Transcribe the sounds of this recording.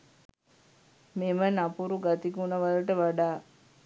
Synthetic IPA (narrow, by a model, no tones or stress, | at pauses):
memənapuɾuɡat̪ikunəʋaləʈəʋaɖaː